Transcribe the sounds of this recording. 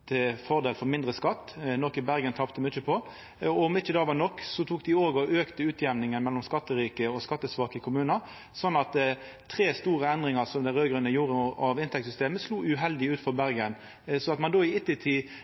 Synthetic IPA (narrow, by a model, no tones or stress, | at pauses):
t̪ʰɪfɔʁd̪eːlfɔmɪnd̪ʁəskɑt̪ːnɔkːɪbæʁɡənt̪ʰɑpt̪əmyt͡ʃːəpʰɔ | ɔmɪt͡ʃːəd̪ɑːʋɑnɔkːsɔt̪ʰuːkd̪ɪoːɡɔʔøːkt̪əʉːt̪ʰjɛʋnɪŋənmɛlːɔmskɑt̪ːəʁiːkəɔskɑt̪ːəsʋɑːkəkʰʊmʉːnəɾ | sɔnːɑt̪ | t̪ʰʁeːst̪uːʁəɛnd̪ʁɪŋɑsɔmd̪æɪʁøːɡɾʉnəjuːɾəɑʋɪnt̪ʰɛk̚t̪sʏst̪eːməsluːʉɦɛld̪ɪʉːt̪fɔɾbæʁɡən | sɔɑt̪mɑnd̪oːɪɪt̪ːɪt̪ʰiː